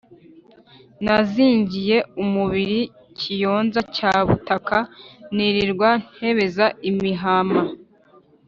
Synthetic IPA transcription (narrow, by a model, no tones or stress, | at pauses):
naziːɲɟije̞umuβiɾi | cʰijo̞ːnzacaːβṵtakaniɾiɾɡwanhe̞βe̞zaimiɦama